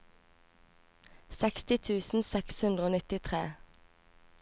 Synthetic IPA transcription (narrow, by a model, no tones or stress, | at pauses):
sɛkst̪ɪt̪ʰʉːsn̩sɛkshʉnd̪ʁoːnɪt̪ɪt̪ʰʁeː